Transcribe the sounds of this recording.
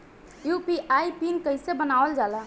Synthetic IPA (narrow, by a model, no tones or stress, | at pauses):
jupiʔaipinkəɪsebənaəld͡ʒala